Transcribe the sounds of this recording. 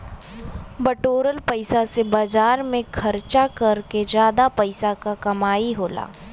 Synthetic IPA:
bɐʈoːɾəlpɐɪsasebaːd͡ʒaːɾmẽkʰɐɾt͡ʃakɐɾked͡ʒjaːd̪apɐɪsakakɐmaːiɦoːla̰ː

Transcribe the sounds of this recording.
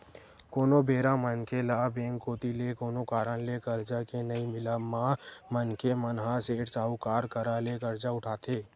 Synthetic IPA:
koːnobeːɾãmənkelaːbẽːŋkoːt̪ilekoːnokaːɾənlekəɾd͡ʒakenəimɪlamãmənkemənɦaseːʈt͡ʃaːukaːɾkəɾalekəɾd͡ʒaʊʈʰaːt̪ʰeː

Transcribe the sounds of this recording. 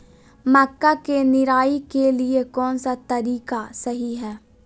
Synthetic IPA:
mɐkːakenɪɾaːikeliekɔːnsat̪ɐɾiːkasɐɦiɦɛː

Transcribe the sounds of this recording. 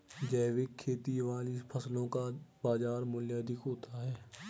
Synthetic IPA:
d͡ʒɛːʋɪkʰːeːt̪iʋaːlipʰəslõkabaːzaːɾmʊljaːd̪ɪkɦoːt̪aɦɛː

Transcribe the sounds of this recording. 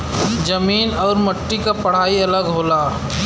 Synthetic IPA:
d͡ʒəmiːnɔːɾməʈːikapɐɽ̤aːiɐləɡɦoːlaː

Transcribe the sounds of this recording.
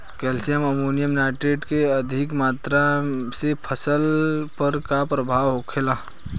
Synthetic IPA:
kɛːlsijəmɐmoːnijəmnaːʈɾeːʈkeɐd̪ʱɪkmaːt̪ɾasepʰəsəlpəɾkapɾəbʱaːwɦoːkʰelaː

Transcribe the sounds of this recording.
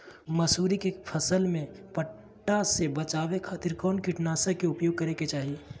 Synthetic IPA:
mɐsuːɾikepʰəsəlmẽpəʈː | asebɐt͡ʃaːwekʰaːt̪ɪɾkɔːnkɪʈnaːsekeʊpjoːɡ̚kɐɾeket͡ʃaːɦie

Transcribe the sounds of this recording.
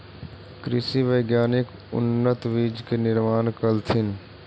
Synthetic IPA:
kɾɪsiʋəɪɡjaːnɪk | ʊ̰nːət̪ʋiːd͡ʒkenɪɾmaːnkəlt̪ʰɪn

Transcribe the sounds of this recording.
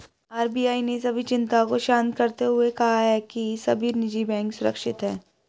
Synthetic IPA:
aːɾbijaːinesɐbʱit͡ʃɪ̃nt̪akoʃãːnt̪kɐɾt̪eɦʊekɐɦaɦɛkisɐbʱinɪd͡ʒibɛ̃ːŋksʊɾə̰kʃɪt̪ɦɛː

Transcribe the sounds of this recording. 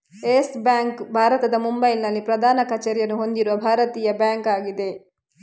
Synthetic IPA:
eːsbjaːŋkbʱaːɾɐt̪ɐd̪ɐmumbɐjlnɐlːipɾɐd̪ʱaːnɐkɐt͡ʃɛɾjɐnuɦo̞nd̪iɾuʋɐbʱaːɾɐt̪iːjɐbjaːŋkaːɡid̪e̞

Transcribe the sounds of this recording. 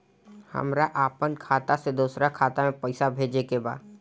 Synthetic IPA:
hə̰mɾaʔaːpənkʰaːt̪ased̪uːsɾakʰaːt̪amẽpɛɪsabʱeːd͡ʒekeba̰ːd̪

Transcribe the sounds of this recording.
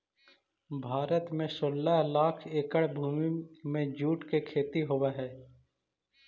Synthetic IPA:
bʱaːɾət̪mẽsoːlːəɦlaːkʰeːkəɽbʱuːmimẽd͡ʒuːʈkekʰeːt̪iɦowaɦɛː

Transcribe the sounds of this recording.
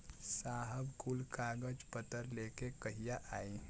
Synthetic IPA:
saːɦəbkulkaːɡəd͡ʒpət̪əɾleːkekəɦijaʔaːĩ

